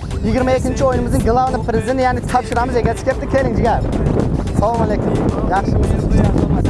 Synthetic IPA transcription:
jɪɡʲɪɾmaekʲːɪnt͡ʃʰiojnɪmɪzd̪ɨŋɡlˠavnɪpʰɾʲezɪd̪ent̪janɪt̪ʰɑpʃɪɾɑmɨzekʲet̪ʰɪ̥kʲʰep̚t̪ɪkʲʰe̞lɪŋd͡ʒɪɡʲaɾ | salˠomalekʰumjɑχʃəbɑeɑʃ

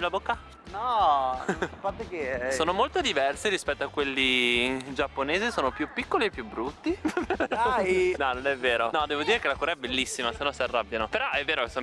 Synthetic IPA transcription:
labokːa | nɔ | fat̪ːekesoːnomolt̪od̪ivɛrsiɾispɛt̪ːoakːwelːid͡ʒapːoneːzisoːnopjupːikːoliepːjubɾut̪ːiajnɔnonɛvːeːɾonɔd̪eːvod̪iːɾekelakuːɾaɛbelːisːimasenːɔnsiarːabjanopeɾɔɛvːeːɾokeso

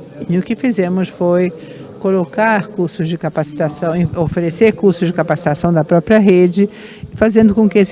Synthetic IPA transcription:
ɪʊkɪfizẽmʊsfoj | kolokaɾkuɾsʊzd͡ʒɪkapasi̥t̪asɐ̃w̃ẽofeɾeseɾkuɾsʊzd͡ʒɪkapasi̥t̪asɐ̃w̃d̪ɐpɾɔpɾiɐɦed͡ʒɪ | fazẽnd̪ʊkõkɪes

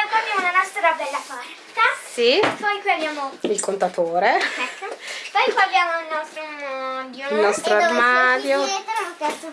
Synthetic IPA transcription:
kɔjabjaːmounanɔst̪ɾabɛlːapart̪asipɔjkwiabjaːmoilkont̪at̪oːɾeɛkːopɔjkwaabjaːmoilnɔst̪ɾond̪ilnɔst̪ɾoarmaːd̪jopɛt̪

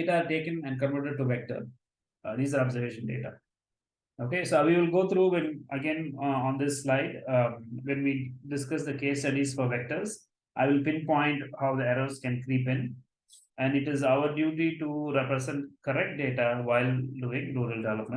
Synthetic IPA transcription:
eʈaːɾʈeːkə̃nɛ̃ɳɖkə̃nfəːʈəɖ̚ʈuʋɛk̚ʈə̰ɾ | d̪iːzaːɾɔbzəɾʋeːʃə̃nɖḛːʈa̰ | oːkesoʋiːʋɪlɡoːt̪ʰɾuːʋɛ̃nəɡẽnɔ̃ːnd̪ɪsːlaɪɖʋɛ̃nʋiːɖɪskʌsd̪əkeːsʈʌɖizfɔɾʋɛk̚ʈəɾz | ʔaɪʋɪlpɪ̃npɔ̃ɪ̃ɳʈhaʊd̪əɛɾoːzkɛ̃nkɾiːpɪ̃n | æ̃ɳɖɪʈɪzaʊəɾɖjuːʈiʈuɾɛpɾəzɛ̃ɳʈkəɾɛk̚ʈ̚ɖeːʈaʋaɪlɖuːɪ̃ŋɾuːɾəlɖɛʋɛləpmə̃

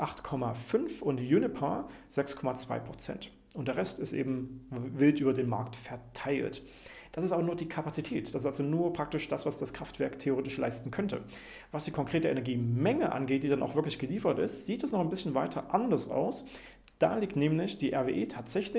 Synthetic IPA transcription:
ʔaχtkʰɔmafʏnfʊntjunɪpʰa | z̥ɛkskʰɔmat͡sv̥a̰ɪpʁ̥ot͡sɛ̰nt | ʔʊnt̚d̥eːɐʁɛstɪstʔḛːbm̩vɪltʔyːbɐdeːnma̰ɐk̚tfɛɐtʰaɪlt | d̥asɪstʔaːbɐnuːɐdiːkʰapat͡sitʰɛːtd̥asɪstalzonuːɐpʁ̥ak̚tɪʃd̥asv̥asd̥askʁ̥aftv̥ɛɐktʰeoʁeːtɪʃla̰ɪstn̩kʰœntʰə̰ | vasd̥iːkʰɔŋkʁ̥eːtəʔɛnɛɐɡiːmɛŋəʔa̰nɡeːt̚d̥iːdana̰ʊxv̥ɪɐklɪçɡ̥əliːfɐtɪ̰stz̥iːtd̥asnɔχɛnbɪsçən̩vaɪtʰɐʔandɐsʔa̰ʊs | d̥a̰ːliːktnɛːmlɪçd̥iːʔɛɐveːʔeːtʰaːtz̥ɛçlɪ

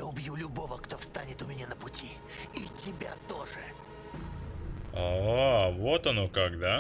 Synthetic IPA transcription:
aʊbjulʲʊbo̞vəkt̪o̞fst̪anʲɪt̪ʊmʲɪnʲanəpʊtʲʰi | itʲɪbʲa̰t̪o̞ʐɨ | aavot̪ɐnokaɡ̚d̪a

